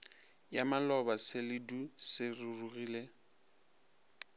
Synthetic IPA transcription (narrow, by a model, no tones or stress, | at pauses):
jamalɔbasɪlɪdusɪrururiːle